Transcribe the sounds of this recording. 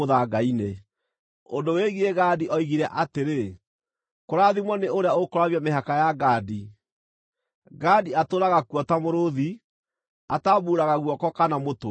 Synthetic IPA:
oðaɡaine | ondoweɣieɣaːdiʔɔiɣiɾɛʔateɾe | koɾaðimwɔneoɾeaokoɾaβjameɦakajaɡaːdi | ɡadiatoɾaɣakwɔtamoɾoði | atabuːɾaɣaɣwɔkɔkanamoto

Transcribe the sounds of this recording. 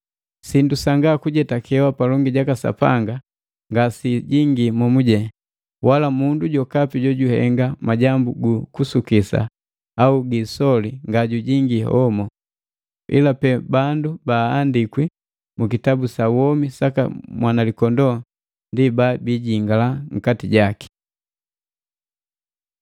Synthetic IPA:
sindusaŋɡakuɟɛtakʰɛwapalɔŋɡiɟakasa̰pa̰ŋɡa | ŋɡasiɟiŋɡimɔmuɟɛ | walamunduɟɔkapiɟɔɟuhɛŋɡamaɟambuɡukusukisa̰ | auɡisɔliŋɡaɟuɟiŋɡihɔmɔ | ḭlapɛbandubaːndikwi | mukitabusawɔmisaka̰mwanalikɔndɔ | ndibaːbiɟiŋɡalaŋ̩katiɟaki̥

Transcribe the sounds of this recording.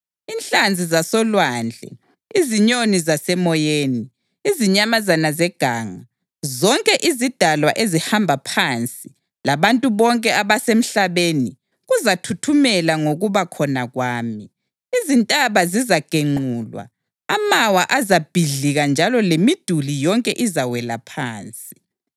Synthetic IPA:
inɬʼand͡zʱizasɔlwand͡ɮʱɛ̰ | iziɲonizasɛmɔjeːniː | ziɲamazanazɛɡ̥ʱaːŋa | zɔŋkʼɛʔizid̥ʱalwaʔezihambʱapʰant͡sʼi | laβantʼuβɔŋkʼɛʔaβasem̩ɬaβeni | ɣuzatʰutʰumɛlaŋoɣuβakʰɔnaɣwaːmiː | zintʼaβazizaɡ̥ʱeŋ͡ǃuːlwa̰ | amawaʔazab̥ʱiɮiɣand͡ʒʱalɔlemid̥ʱulijɔŋkʼɛʔizawɛlapʰa̰ːnt͡sʼi

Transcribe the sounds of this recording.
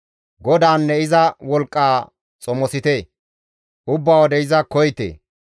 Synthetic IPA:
ɡɔd̪aːnːɛɪzɐwɔlkʼːaː | t͡sʼɔmɔsɪt̪eː | ʊbːawɔd̪ɛɪzɐkɔjt̪ḛː

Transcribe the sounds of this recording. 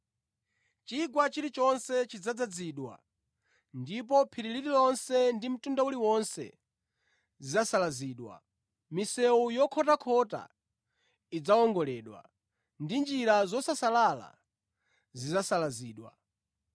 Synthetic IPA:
t͡ʃiɡwat͡ʃiɾit͡ʃɔnsɛt͡ʃid͡zad͡zad͡ziːɗwa̰ | ndip̬ɔpʰiɾiliɾilɔnsɛndim̩tundauliwɔnsɛ̰ | zizasalaziːɗwa̰ | misɛujɔkʰɔtakʰɔta̰ | id͡zaɔŋɡɔlɛːɗwa̰ | ndind͡ʒiɾazɔsasalala̰ | zizasalaziːɗwa̰

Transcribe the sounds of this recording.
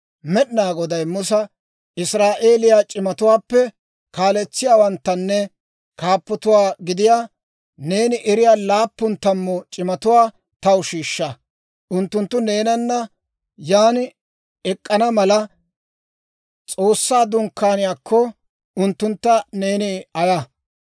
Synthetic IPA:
mɛɗnaːɡɔd̪ɐjmʊs̬ɐ | ɪsɾaːʔeːlɪjaːt͡ʃʼɪmɐt̪ʊwaːpːɛ | kaːlɛt͡sːɪjaːwɐnt̪ːɐnːɛ | kaːpːɔt̪ʊwaːɡɪd̪ɪjaː | neːnɪʔɛɾɪjaːlaːpːʊnt̪ɐmːɔt͡ʃʼɪmɐt̪ʊwaː | t̪ɐʊʃiːʃːɐ | ʔʊnt̪ːʊnt̪ːʊne̞ːnɐnːɐ | jaːn | ɛkʼːɐnɐmɐlɐ | t͡sʼo̞ːsːaːd̪ʊŋkːaːnɪjaːkʰːɔ | ʊnt̪ːʊnt̪ːɐne̞ːnɪɐja

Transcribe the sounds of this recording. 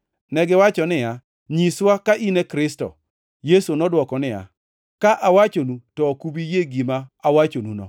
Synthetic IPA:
nɛɡɪwat͡ʃɔnɪja | ɲiswakaʔinekɾɪstɔ̰ | jesonɔdwɔkɔnɪja̰ | kaʔawat͡ʃonutɔkubijeɡimaawat͡ʃonunɔ̰

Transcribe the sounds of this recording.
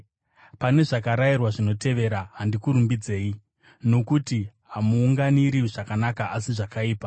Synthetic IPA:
pane̞ʐakaɾairwaʐino̞te̞ʋe̞ɾaɦandikuɾumbid͡ze̞ːi | no̞kutiɦamuːŋɡaniɾiʐakanakaʔasiʐakaiːpa

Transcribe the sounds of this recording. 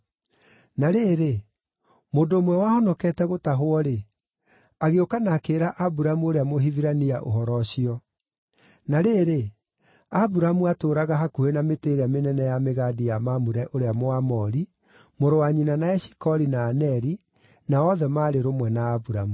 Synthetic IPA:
naɾeːɾe | moːndoːmwɛwahɔnɔkɛːtɛɣotaɦwɔɾe | aɣeokanakeːɾaʔabuɾamuoɾeamoɦiviɾaniaʔo̰ɦɔɾɔɕiɔ | naɾeɾe | abuɾamuatoɾaɣaɦakuenameteɾeamenɛnɛjameɣadijamamuɾɛʔoɾeamoamɔɾi | moɾowaɲinanaɛɕi̥kɔɾinaːnɛɾi | naɔðɛmaːɾeɾomwɛnaːbuɾamu

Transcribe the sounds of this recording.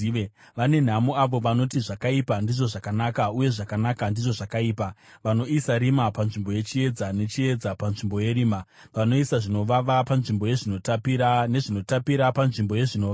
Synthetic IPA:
eʋane̞n̤amuaʋo̞ʋano̞tiʐakaipandiʐo̞ʐakanakauje̞ʐakanakandiʐo̞ʐakaiːpaʋano̞isaɾimapanʐimbo̞je̞t͡ʃie̞d͡zane̞t͡ʃie̞d͡zapanʐimbo̞je̞ɾiːma | ʋano̞isaʐino̞ʋaʋapanʐimbo̞je̞ʐino̞tapine̞ʐino̞tapiɾapanʐimbo̞je̞ʐino̞ːʋa

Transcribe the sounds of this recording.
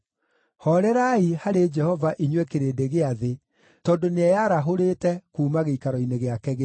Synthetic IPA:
hɔɾɛɾaihaɾed͡ʒɛhɔvaʔiɲwɛkeɾeːdeɣeaðe | tɔːndoneɛjaɾaɦoɾeːtɛkuːmaɣeikaɾɔineɣeakɛɣe

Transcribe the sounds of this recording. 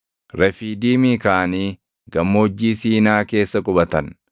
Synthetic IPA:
ɾɛfiːd̪iːmiːkaːniː | ɡɐmːoɔd͡ʒːiːsiːnaːke̞ːsːɐkʼʊbɐt̪ɐn

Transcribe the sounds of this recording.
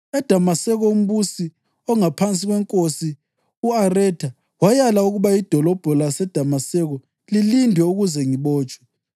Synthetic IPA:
ɛd̥ʱamasɛɣɔum̩βusi | ɔŋapʰant͡sʼiɣwɛŋkʼosi | uarɛtʰa | wajalauɣuβaid̥ʱɔlɔb̥ʱɔlasɛd̥ʱamasɛɣɔ | lilindʱwɛuɣuzɛŋiβɔːt͡ʃʼwɛ

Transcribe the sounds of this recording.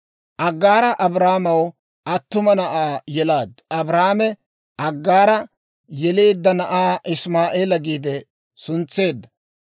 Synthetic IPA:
ʔɐɡːaːɾɐʔɐbɾaːmɐw | ʔɐt̪ːʊmɐnɐʔaːjɛlaːd̪ɐbɾaːmɛ | ʔɐɡːaːɾɐ | jɛle̞ːd̪ːɐnɐʔaːʔɪsmaːʔeːlɐɡiːd̪ɛ | sʊnt͡sːe̞ːd̪ːɐ̥

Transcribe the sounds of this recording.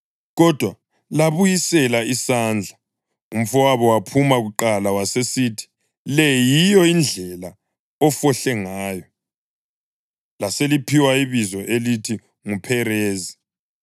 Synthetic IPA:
ɣɔd̥ʱwa | laβujisɛlaisand͡ɮʱa | um̩fɔwaβɔwapʰumaɣuǃalawasesitʰi̥ | lɛjijɔind͡ɮʱɛla | ɔfɔɬɛŋaːjɔ | laselipʰiwaiβizɔʔelitʰi | ŋupʰɛɾeːzi

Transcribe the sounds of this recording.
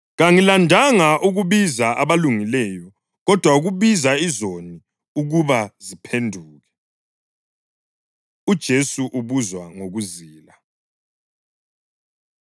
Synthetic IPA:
ɣaŋilandʱaŋaʔuɣuβizaʔaβaluŋilɛjɔ | ɣɔd̥ʱwauɣuβizaizoni | uɣuβazipʰendʱuːɣɛ | ud̥ʒ̥ʱesuʔuβuzwaŋoɣuziːla

